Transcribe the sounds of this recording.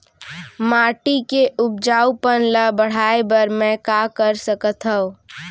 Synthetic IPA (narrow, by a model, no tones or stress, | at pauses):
maʈikeʔup̚d͡ʒaupənləbəɽ̤aebəɾmɛ̃kakəɾsəkət̪ɦəʊ